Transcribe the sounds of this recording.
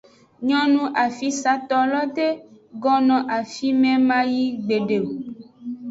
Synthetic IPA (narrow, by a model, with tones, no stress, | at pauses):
ɲɔ̃˦nũ˦ʔa˨fi˦sa˦t̪ɔ˦lɔ˦t̪e˦ɡɔ˦nɔ̃˨ʔa˨fi˦mɛ̃˦mã˦ji˦ɡ͡be˨ɖe˨u˨